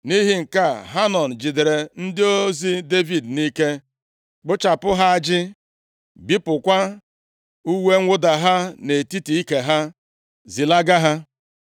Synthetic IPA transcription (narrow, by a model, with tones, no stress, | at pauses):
ni˦ɦi˦ŋ̩˨ka˦˨ɦa˦nɔ˨n̩˨d͡ʒi˨de˨ɾe˨n̩˦dɪ˦o˦zi˦de˦vi˨dni˦ke˦ | k͡pʊ˦t͡ʃa˨pʊ˦ɦa˦a˦d͡ʒɪ˦ | bi˦pʊ˨kʷa˦ | u˦we˦ŋ̩ʷ˦ʊ˦da˨ɦa˦ne˨ti˦ti˨i˦ke˨ɦa˦ | zi˨la˦ɡa˦ɦa˦